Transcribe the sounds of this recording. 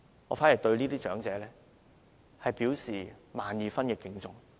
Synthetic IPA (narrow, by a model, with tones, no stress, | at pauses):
ŋɔː˨˧faː˨˥ji˨˩jt̪ɵ˧ɥliː˥t̪iː˥t͡ʃœː˨˥ŋt͡sɛː˨˧lɛː˥ | hɐ˨jpiː˨˥wsiː˨˩maː˨njiː˨˧fɐ˥nkɛː˧kɪ˧ŋt͡sʊ˨ŋ